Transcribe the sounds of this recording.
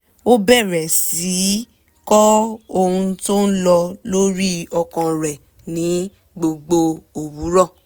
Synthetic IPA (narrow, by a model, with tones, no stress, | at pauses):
o˦bɛ˦˨ɾɛ˨si˨˦ | kɔ˦o˧hũ˧to˦n̩˦lɔ˧lo˦ɾi˦ɔ˧kã˧ɾɛ˨ | nĩ˨˦ | ɡ͡bo˧ɡ͡bo˧o˨wu˨˦ɾɔ˦˨